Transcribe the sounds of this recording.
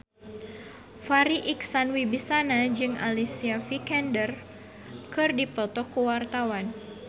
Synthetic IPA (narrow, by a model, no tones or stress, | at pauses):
faɾiʔiksanwibisanad͡ʒɨŋa̰lisiafikɛndər | kɨrdipɔt̪ɔkːuwart̪awan